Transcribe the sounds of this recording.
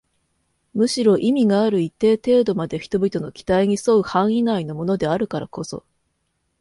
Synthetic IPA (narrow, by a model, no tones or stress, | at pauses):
mɯ̟ɕiɾo̞ʔimʲiɡaːɾɯ̟it̪ːe̞ːt̪e̞ːd̪o̞mad̪e̞çʲi̥t̪o̞bʲit̪o̞no̞kʲi̥t̪aiɲ̟isoɯ̟hãɰ̃inaino̞mo̞no̞d̪e̞aɾɯ̟kaɾako̞so̞̰